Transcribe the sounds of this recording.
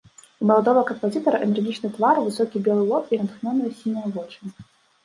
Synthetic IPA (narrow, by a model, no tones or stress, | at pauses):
imɐlˠad̪ɔvɐɣɐkɐmpɐzʲit̪ɐɾɐʔɛnɛrɣʲit͡ʂnɨt̪vaɾvɨsɔkʲibʲɛlˠɨlˠɔpinɐt̪ɨxnʲɔnːɐjɐsʲinɐjɐvɔt͡ʂɨnʲ